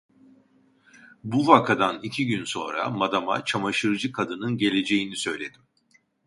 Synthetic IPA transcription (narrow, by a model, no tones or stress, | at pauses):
buvakʰad̪anicʰiɟynso̞̰nɾa̰mad̪ama̰t͡ʃʰamaʃɯɾd͡ʒɯkʰad̪ɯnɯnɟe̞lʲe̞d͡ʒe̞jinisø̞jlʲe̞d̪̥im